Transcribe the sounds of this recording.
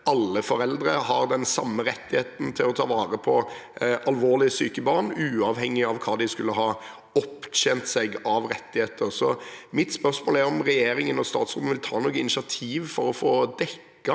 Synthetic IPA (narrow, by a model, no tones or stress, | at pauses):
ɑlːəfɔɾɛld̪ɾəhɑɾd̪ɛnsɑmːəɾɛt̪ːɪheːt̪n̩t̪ʰɪlɔt̪ʰɑːʋɑːɾəpʰɔʔɑlʋoːʁlɪəsyːkəbɑːʁɳʉːɑʋhɛŋːɪɑʋkʰɑːd̪ɪskʉlːəɦɑː | ɔpːtent̪sɛɡɑʋɾɛt̪ːɪheːt̪əɾsɔmɪt̪spœɾsmoːlæɾɔmʁɛjeːɾɪŋənɔst̪ɑ̰ːt̪sʁuːnʋɪlt̪ʰɑːnuːɡəɪnɪʂɪɑt̪ʰiːʋfɔɾɔfoːd̪ɛkːɑ